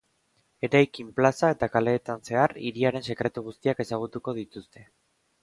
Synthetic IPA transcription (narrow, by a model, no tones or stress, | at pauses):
e̞ɾajkimplasae̞t̪akale̞ːt̪anse̞arḭɾiaɾe̞nse̞kɾe̞t̪uɣust̪iake̞saɣ̞ut̪uko̞ð̞it̪ust̪e̞